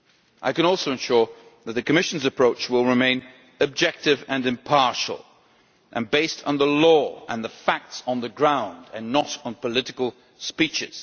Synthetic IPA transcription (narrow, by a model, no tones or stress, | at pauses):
ʔaɪkɨ̃ñɔlˠsoʊɨ̃nʃʊɹ | ðɨt̪̚ðɨkɨmɪʃn̩zɨpʰɹ̥oʊt͡ʃwɪlˠɹɨmẽɪ̃n | ɨb̚d͡ʒɛk̚tɨvɨ̃nɨ̃mpʰɑɹʃl̩ˠ | ʔɨ̃nbeɪstn̩ðəlɔə̰̃nðəfæk̚tsn̩ðɨɡɹãʊ̃ndɨ̃nːəɾn̩pʰəlɪɾɨkəl̩ˠ | spit͡ʃɪz̥